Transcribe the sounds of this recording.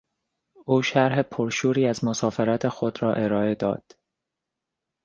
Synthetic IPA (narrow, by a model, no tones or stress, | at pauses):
ʔuːʃæɾɦepʰoɾʃuːɾiːæzmosɒːfe̞ɾæt̪ʰe̞xod̪ɾɒːʔe̞ɾɒːe̞d̪ɒ̰ːd̪̥